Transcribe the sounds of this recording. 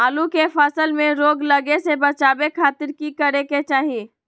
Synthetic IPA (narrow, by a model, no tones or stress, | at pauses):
aːlũkefɐsəlmẽɾoːɡlɐɡesebɐt͡ʃaːbekʰaːt̪ɪɾkikɐɾeket͡ʃaːɦieː